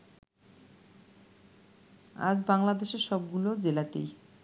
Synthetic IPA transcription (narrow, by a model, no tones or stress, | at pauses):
a̰d͡ʑbaŋlad̪eʃeɾʃɔb̚ɡulod͡ʑelat̪ḛj